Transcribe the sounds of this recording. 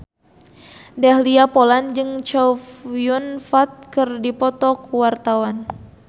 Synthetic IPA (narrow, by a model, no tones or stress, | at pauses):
dahliapoland͡ʒɨŋt͡ʃafijunfat̪̚kɨrdipɔt̪ɔkuwart̪awan